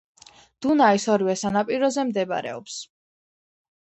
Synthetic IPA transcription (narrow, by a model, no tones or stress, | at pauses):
d̪̥unaisɔɾivɛsanapʼiɾɔzɛmd̪ɛba̰ɾɛ̰ɔ̰ps